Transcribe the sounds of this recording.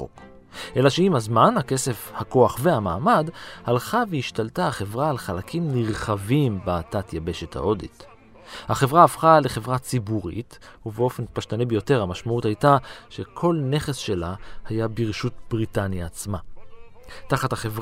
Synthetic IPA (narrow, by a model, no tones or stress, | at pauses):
o̰k | ʔe̞laʃeimhazmanhake̞se̞fhako̞aχveamaːmadhalχaveiʃtaltaaχe̞vʁaːlχalakʰimliʁχavimbeatatjabe̞ʃe̞tha̰ʔo̞dḭt | haχe̞vʁaːfχale̞χe̞vʁat͡sibuʁḭt | uveo̞fe̞npaʃtanebejo̞te̞ʁhamaʃmauthajtaʃekʰo̞lne̞χesʃe̞lahajabiʁeʃutb̥ʁitanjaːt͡sma | taχathaχevʁ